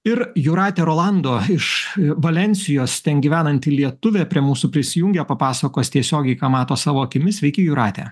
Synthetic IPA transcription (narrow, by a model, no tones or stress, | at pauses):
ɪɾjʊɾɑːt̪ʲeːɾoːlˠɐnd̪oːɪʃʋɐlʲɛnʲsʲɪjoːst̪ʲɛnɡʲiːʋʲæːnɐnʲt̪ʲiːlʲiɛt̪ʊʋʲɛpʲɾʲiɛmuːsuːpʲɾʲɪsʲɪjʊŋʲɡʲɛpɐpɑːsɐkoːst̪ʲiɛsʲoːɡʲɛɪkɑːmɑːt̪oːsɑːʋoːɐkʲɪmʲɪsʲʋʲɛɪkʲɪjʊɾɑːt̪ʲæ̰